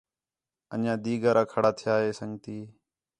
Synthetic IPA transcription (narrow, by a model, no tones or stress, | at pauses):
ə̰nãːd̪iːɡaːɾaːkʰəɽaːt̪ʰɪjaːɦeːsəŋt̪iː